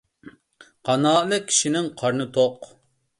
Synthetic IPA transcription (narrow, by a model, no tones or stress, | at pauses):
qʰɑnɑːlɪkʲʰːi̥ʃinɪŋqʰɑɾnɨt̪ʰoq